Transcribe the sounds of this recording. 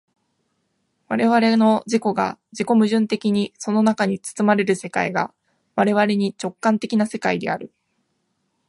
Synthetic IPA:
βaɾe̞βaɾe̞no̞d͡ʑiko̞ɡa̰d͡ʑiko̞mɯ̟ʑɨ̃nt̪e̞kʲiɲ̟iso̞no̞nakaɲ̟it͡sɨ̥t͡sɨmaɾe̞ɾɯ̟se̞kaiɡa̰ | βaɾe̞β̞aɾe̞ɲ̟it͡ɕo̞kːãnt̪e̞kʲinase̞kaid̪e̞̰aɾɯ̟

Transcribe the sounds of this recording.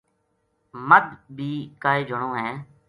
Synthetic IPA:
məd̪bʱiːkaːeːd͡ʒʱəɳõːɦɛː

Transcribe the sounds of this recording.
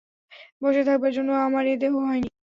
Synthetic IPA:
boʃet̪ʰak̚baɾd͡ʑonːoamaɾed̪eɦoɦɔeni

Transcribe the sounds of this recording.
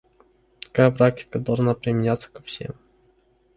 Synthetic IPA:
t̪ɐ̥kajbɾak̚tʲɪ̥kəd̪alˠʐnapɾʲɪmʲɪnʲat̪sə̥kɐ̥fsʲḛm

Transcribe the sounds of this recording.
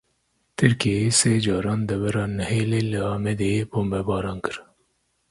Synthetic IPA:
t̪ʰɨɾkeseːd͡ʒɑːɾɑːnd̪ɛvɛɾɑːnɛheːleːləɑːmɛd̪eːbombɛbɑːɾɑːnkɨɾ

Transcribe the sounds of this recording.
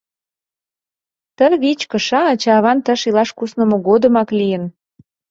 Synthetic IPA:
t̪ənβit͡ɕkə̆ʃɑːt͡ɕɑβɑnt̪əʃilɑʃkusnə̆moɣod̪ə̆mɑklijən

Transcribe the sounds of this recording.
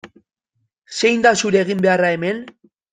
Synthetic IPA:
se̞jnd̪asuɾe̞ːɣimbe̞arae̞me̞n

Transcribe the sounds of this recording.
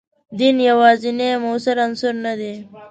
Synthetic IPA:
d̪injawɑːzinemosaɾansʊɾnad̪e

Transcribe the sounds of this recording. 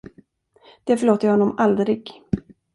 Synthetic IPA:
d̪̥ɛfœɭoːt̪əɾjhɔnːɔmʔald̪ɾɪɡ

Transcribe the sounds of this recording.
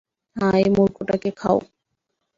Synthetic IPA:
hãemuɾkʰoʈakekʰa̰o

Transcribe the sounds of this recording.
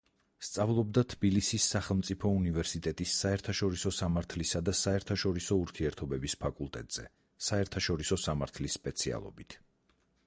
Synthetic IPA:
st̪sʼavlˠɔb̚d̪at̪ʰbilisisːaχɛlˠmt̪sʼipʰɔunivɛɾsit̪ʼɛt̪ʼisːaɛɾt̪ʰaʃɔɾisɔsamaɾt̪ʰlisad̪asaɛɾt̪ʰaʃɔɾisɔuɾt̪ʰiɛɾt̪ʰɔbɛbispʰakʼulˠt̪ʼɛ̰t̪ʼz̥ɛ̰ | saɛɾt̪ʰaʃɔɾisɔsamaɾt̪ʰlisːpʼɛt̪sʰia̰lˠɔ̰bit̪ʰ

